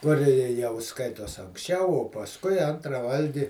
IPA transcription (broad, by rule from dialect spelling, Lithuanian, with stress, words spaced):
ˈkʊr ɪ ɪ jɛʊ ˈskɐɪtoːs ɐŋksʲˈt͡ʃʲɛʊ oː pɐsˈkʊɪ ˈɐntrɐ ˈʋɐlʲɡʲɪ